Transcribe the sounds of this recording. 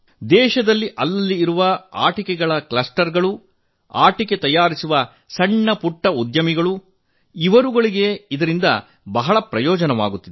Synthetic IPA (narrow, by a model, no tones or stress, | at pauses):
d̪ɛːʃɐd̪ɐlːiʔɐlːɐlːiːɾuʋɐa̰ːʈikɛɡɐɭɐklɐsʈɐɾɡɐɭu | aːʈike̞t̪ɐjaːɾisuʋɐ | sɐɳːɐpuʈːɐud̪jɐmiɡɐɭu | iʋɐɾuɡɐɭiɡe̞id̪ɐɾind̪ɐ̰ | bɐɦɐɭɐpɾɐjɔːd͡ʒɐnɐʋa̰ːɡut̪ːid̪e